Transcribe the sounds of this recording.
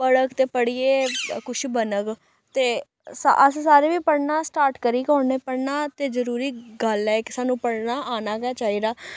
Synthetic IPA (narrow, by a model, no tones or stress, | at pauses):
pəɽəkt̪eːpəɽiːeːkʊʃbənəɡ | t̪eː | sa̰əssaːɾeːʋiːpəɽnaːsʈaːɾʈkəɾiːkɔːɳneːpəɽnaːt̪eːzəɾuːɾiːɡəlɛːkɪsaːnũːpəɽnaːʔaːnaːkɛːt͡ʃaːɦiːɾaː